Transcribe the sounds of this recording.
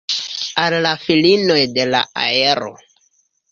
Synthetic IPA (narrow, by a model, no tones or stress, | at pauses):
alːafilino̞jde̞la̰a̰eɾo̞̰